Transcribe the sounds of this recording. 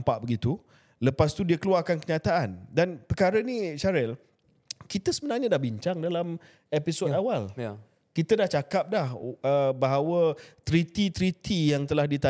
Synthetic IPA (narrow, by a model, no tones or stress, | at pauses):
mpaʔbəɡit̪u | ləpast̪udiakəluarkankəɲãt̪aʔandanpərkaɾəniʃaɾɛl | kit̪əsəbənarɲadahbiɲt͡ʃaŋdalam | episodawal | kit̪ədaht͡ʃakap̚dahəbaɦawət̪ɾit̪it̪ɾit̪ʰijaŋt̪əlahdit̪a